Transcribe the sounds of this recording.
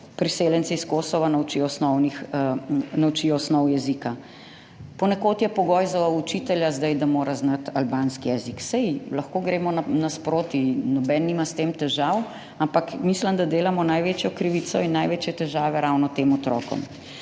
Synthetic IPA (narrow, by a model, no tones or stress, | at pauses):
pɾiseːljɛnt̪sɛiskosɔʋanawt͡ʃiɔsnɔwnix | nawt͡ʃijɔsnɔwjɛzika | pɔnɛkoːt̪jɛpɔɡɔjzaut͡ʃit̪ɛljazd̪ajd̪amoːɾaznat̪albaːnskijɛziksɛjlɐxkoːɡɾeːmɔnanaspɾoːt̪inɔbɛnːiːmast̪eːmt̪ɛʒaw | ampakmisləmd̪ad̪eːlamɔnajʋet͡ʃjɔkɾiʋiːsɔinːajʋeːt͡ʃjɛt̪ɛʒaːʋɛɾaːwnɔt̪eːmɔt̪ɾɔ̰ːkɔ̰m